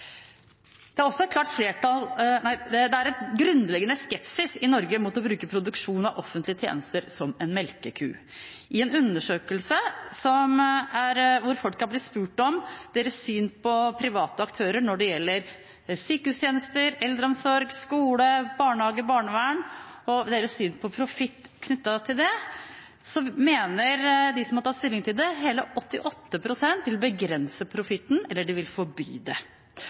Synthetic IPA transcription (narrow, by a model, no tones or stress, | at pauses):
d̪̥ɛæɾɔsːɔɛt̪̚k̪ʰɑːʈfleːʈɑlnæɪd̪ɛd̪ɛæɾɛt̪ɡɾʉnd̪lɛɡːənəskɛpsɪsɪnɔɾɡəmʊt̪ɔbɾʉːkəpʰɾʊd̪ʉkʂuːnɑʔɔfənt̪lɪət̪ʰjḛːnəst̪əɾsɔmɛnmɛlkəkʰʉ̰ː | ʔɪɛnʉnːəʂøːkəlsəsɔmæɾʋʊɾfɔlkːɑbliːspʉːʈɔmd̪̥eːɾəsːyːnpʰɔpʰɾɪʋɑːt̪əɑkt̪ʰøːɾəɾɳɔɖɛjɛlːəɾ | syːkəhʉːst̪jeːnəst̪əɾɛld̪ɾəɔmsɔɾɡskuːləbɑːɳhɑːɡəbɑːɳəʋæɳɔd̪eːɾəssyːnpʰɔpʰɾʊfɪt̪ːkʰnʏt̪ːɑt̪ʰɪld̪ɛ | sɔmeːnəɾd̪ɪsɔmhɑɾʈʰɑt̪st̪ɪlːɪŋt̪ʰɪld̪ɛɦeːləʔɔt̪ːɪʔɔt̪ːəpʰɾʊsɛnt̪ʋɪlbəɡɾɛnsəpʰɾʊfɪt̪ːn̩ɛlːəɖɪʋɪlfɔɾby̰ːd̪ɛ